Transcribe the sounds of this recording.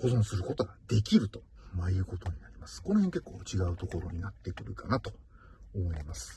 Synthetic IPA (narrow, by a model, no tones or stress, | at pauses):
ho̞zõ̞sɨɾɯ̟ko̞t̪o̞ɡad̪e̞kʲiɾɯ̟t̪o̞̥majɯ̟ko̞t̪o̞ɲ̟inaɾʲimasɨ̥ko̞nohẽ̞ŋke̞kːoːt͡ɕiɡaɯ̟t̪o̞ko̞ɾo̞ɲ̟inat̪ːe̞kɯ̟ɾɯ̟kanat̪o̞ | omo̞imasɨ̥